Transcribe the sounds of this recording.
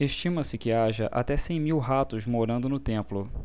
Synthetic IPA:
eʃt͡ʃĩmɐsɪkɪaʒɐʔa̰t̪ɛsẽj̃miwɦat̪ʊzmoɾɐ̃nd̪ʊnʊt̪ẽmplʊ

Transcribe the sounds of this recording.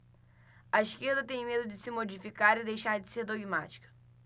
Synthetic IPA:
ɐiʃkeɾd̪ɐt̪ẽj̃med̪ʊd͡ʒɪsɪmod͡ʒifikaɾɪd̪ejʃaɾd͡ʒɪseɾd̪oɡima̰t͡ʃi̥kɐ̥

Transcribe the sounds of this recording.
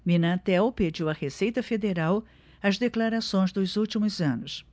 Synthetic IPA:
mĩnɐt̪ɛwped͡ʒiwɐhesejt̪ɐfed̪eɾaw | ɐzd̪eklaɾasõj̃zd̪ʊzuwt͡ʃimʊzɐ̃nʊs

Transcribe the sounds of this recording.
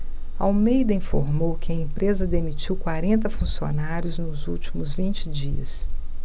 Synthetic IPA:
ɐawmejd̪ɐĩfoɾmowkɪɐẽmpɾʔezɐd̪emit͡ʃiwkwaɾẽnt̪ɐfũsio̰naɾjʊznʊzṵwt͡ʃimʊzvĩnt͡ʃɪd͡ʒiɐs

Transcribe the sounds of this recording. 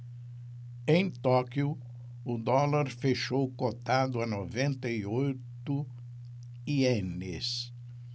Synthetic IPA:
ẽj̃t̪ɔkjʊ | ʊd̪ɔlaɾfeʃowkot̪ad̪ʊɐnovẽnt̪ɐiojt̪ʊ | ienɪs

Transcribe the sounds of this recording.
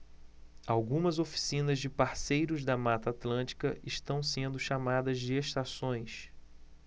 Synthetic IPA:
awɡũmɐzofi̥sĩnɐzd͡ʒɪpaɾsejɾʊzd̪ɐmat̪ɐːt̪lɐ̃nt͡ʃi̥kɐʔɪʃt̪ɐ̃w̃sẽnd̪ʊʃamad̪ɐzd͡ʒɪeʃt̪asõj̃s

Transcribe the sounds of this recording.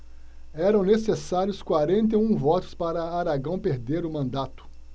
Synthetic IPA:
ɛɾɐ̃w̃nesesaɾjʊskwaɾẽnt̪̬eũvɔt̪ʊ̥spaɾɐaɾaɡɐ̃w̃peɾd̪eɾʊmɐ̃nd̪at̪ʊ̥

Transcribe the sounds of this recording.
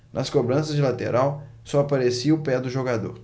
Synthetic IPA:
nʔɐskobɾɐ̃sɐzd͡ʒɪlat̪ḛɾaw | sɔapaɾesiʊpɛd̪ʊʒoɡad̪o̰ɾ

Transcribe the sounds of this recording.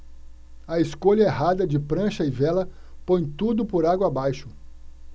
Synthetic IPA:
ɐeskoʎɐeɦad̪ɐd͡ʒɪpɾɐ̃ʃɐɪvɛlɐ | põj̃t̪ud̪ʊpoɾaɡwɐabajʃʊ

